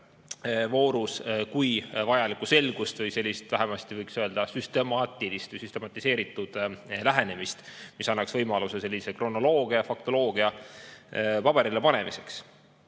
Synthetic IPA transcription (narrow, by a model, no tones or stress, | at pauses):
vo̞ːɾuskujvɑjɑlikːˑuse̞lɡ̥ust̪vɤjse̞lʲːist̪væɦemɑst̪ivɤjksøe̞ld̪ɑsyst̪e̞mɑːt̪ˑilist̪vjsyst̪e̞mɑt̪ːˑise̞ːɾit̪ːˑud̪̥læɦe̞ne̞mist̪misɑnːɑksvɤjmɑluse̞se̞lʲːise̞kro̞nːo̞lo̞ːɡ̥iɑfɑk̚t̪o̞lo̞ːɡ̥iɑ | pɑb̥e̞ɾilepɑne̞mise̞ks